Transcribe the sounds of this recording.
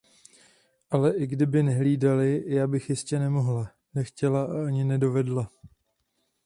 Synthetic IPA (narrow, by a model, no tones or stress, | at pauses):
ʔalɛʔɪɡdɪbɪnɛɦliːdalɪjaːbɪxjɪscɛnɛmo̞ɦla | nɛxcɛlaaɲɪnɛdo̞vɛdla